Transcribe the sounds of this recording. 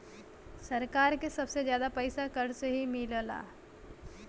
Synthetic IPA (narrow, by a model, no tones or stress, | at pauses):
sɐɾkaːɾkesɐbsezjaːd̪apɛɪsakɐɾseɦimɪləla̰ː